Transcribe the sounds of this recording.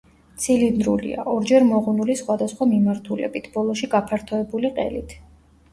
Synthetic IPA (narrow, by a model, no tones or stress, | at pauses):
t̪sʰilind̪ɾulḭa̰ʔɔɾd͡ʒɛɾmɔʁunulisχwad̪asχwamimaɾt̪ʰulɛ̰bit̪ʰb̥ɔlˠɔʃiɡapʰaɾt̪ʰɔɛbuliqʼɛ̰lit̪ʰ